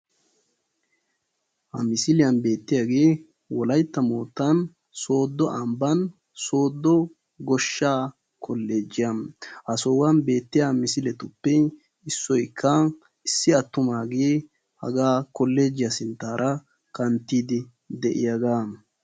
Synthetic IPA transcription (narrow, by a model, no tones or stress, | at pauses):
hɐmɪsɪlɪjɐnbe̞ːt̪ːɪjaɡe̞ː | wɔlɐjt̪ːɐmoːt̪ːɐn | so̞ːd̪ːɔʔɐmbɐn | so̞ːd̪ːɔ | ɡɔʃːaː | kʰɔlːe̞ːd͡ʒɪjɐhɐsoːwɐnbe̞ːt̪ːɪjamɪsɪlɛt̪ʊpːɛ | ɪsːɔjkʰːɐ | ɪsːɪɐt̪ːʊmaːɡeː | hɐ̰ɡaːkɔlːeːd͡ʒːɪjɐsɪnt̪ːaːɾʔɐ | kɐnt̪ːiːd̪ɪ | d̪ɛʔɪ̰jaɡaː